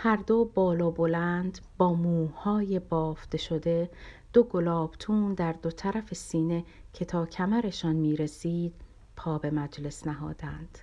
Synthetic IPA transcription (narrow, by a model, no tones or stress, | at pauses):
hæɾd̪obɒːlɒːbo̞lænd̪bɒːmuːhɒːje̞bɒːfd̪̥e̞ʃo̞d̪e̞ | d̪̥o̞ɡo̞lɒːb̥t̪ʰuːnd̪æɾd̪o̞t̪ʰæɾæfe̞siːne̞cʰe̞t̪ʰɒːcʰæmæɾe̞ʃɒːnmiːɾe̞siːd̪̥̚ | pʰɒːbe̞mæd͡ʒle̞snæɦɒ̰ːd̪̥ænd̪̥